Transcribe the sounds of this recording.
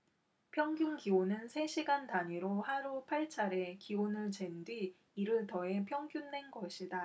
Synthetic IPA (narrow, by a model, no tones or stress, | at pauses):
pʰjʌŋɡjuŋɡionɯnsʰe̞ɕʰiɡantaɲiɾohaɾupʰaɭt͡ɕʰaɾe̞kiwonɯɭt͡ɕe̞ndɥiː | ɾɯɭtʌe̞pʰjʌŋɡjunːe̞nɡʌɕʰida